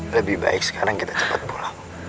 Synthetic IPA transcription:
ləbɪhba̰ɪk̚sə̥kʰaɾaŋkit̪ḁt͡ʃə̥pat̪̚pula

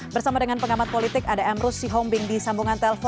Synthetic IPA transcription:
bərsamadəŋanpəŋamat̪̚polit̪ɪkadaɛmɾʊsiɦɔmbɪŋdisambuŋant̪ɛləfɔ

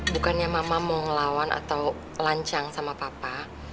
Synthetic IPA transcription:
bukanɲamamamɔŋəlawanʔa̰t̪aw | laɲt͡ʃaŋsamapapa

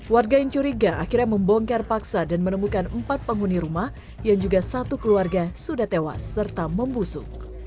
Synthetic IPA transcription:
warɡaiɲt͡ʃuɾiɡaʔakirɲaməmbɔŋkɛrpaksadanmənəmukanəmpat̪̚pəŋuniɾumah | jaŋd͡ʒuɡasat̪ukəluarɡasudaht̪ewa̰sːərt̪aməmbusʊ̰k̚

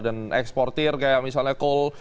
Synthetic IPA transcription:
danɛkspɔrt̪ɪrkajamisalɲakol

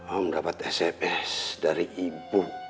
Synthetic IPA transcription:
ɔmədapat̪ɛsɛpɛsdaɾiʔibu

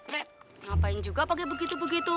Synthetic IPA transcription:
ɾɛ | ŋapaɪŋd͡ʒuɡapakɛbəɡit̪ubəɡit̪u

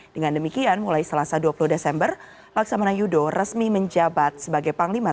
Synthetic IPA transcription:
d̥əŋandəmikianmulajsəlasaduapuluhdesɛmbər | laksamanajudorəsmiməɲd͡ʒabat̪̚səbaɡajpaŋlimat̪̚

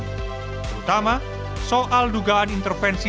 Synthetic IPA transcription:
pət̪ama | soʔalduɡaanint̪ərfɛnsi

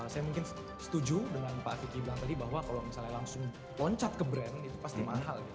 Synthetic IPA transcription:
sajamuŋkɪn | sə̥t̪ud͡ʒudəŋanpaʔfikiblaŋt̪adibaɦwakalomisalɲalaŋsʊŋ | lɔɲt͡ʃat̪̚kəbɾɛnit̪upast̪imaɦal

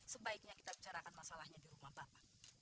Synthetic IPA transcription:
səbaɪk̚ɲaki̥t̪abit͡ʃaɾakanmasalahɲadiɾumahbapa

